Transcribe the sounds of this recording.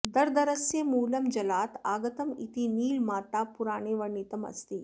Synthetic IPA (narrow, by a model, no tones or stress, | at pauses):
d̪ɐɾd̪ɐɾɐsjemuːlɐmd͡ʒɐlaːt̪aːɡɐt̪ɐmḭt̪iniːlmaːʈ̪apuɾaːɽ̃eʋɐɳːit̪ɐmɐ̰st̪iː